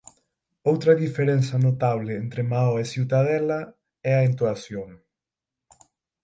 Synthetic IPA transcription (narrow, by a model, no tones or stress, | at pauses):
owt̪ɾɐðifeɾenθɐnot̪aβ̞lɪent̪ɾemaoesiwt̪aðɛlɐ | ɛaent̪uasjoŋ